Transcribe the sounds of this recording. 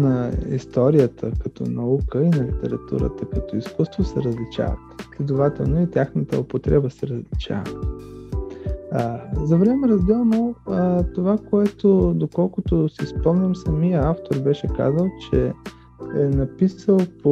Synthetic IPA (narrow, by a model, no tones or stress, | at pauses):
nɐḭst̪ɔɾijət̪ʰəkɐt̪ɔ̰nɐukəinɐlit̪ɛ̰ɾɐt̪ṵɾə̰t̪əkɐt̪ɔiskust̪vosɛɾəzlit͡ʃa̰və̰t̪slʲɛd̪ovat̪ɛlˠnoit̪ʲjaxnət̪ə̰ʊpot̪ɾɛbəsɛɾəzlit͡ʃa̰və | zɐvlɛmɛɾɐzd̪ɛlˠnot̪ovakoɛt̪od̪okɔlˠkʊt̪osispɔmnʲɐmsɐmijəaft̪oɾbɛʃɛka̰zəlˠt͡ʃɛ | ɛnɐpisəlˠpo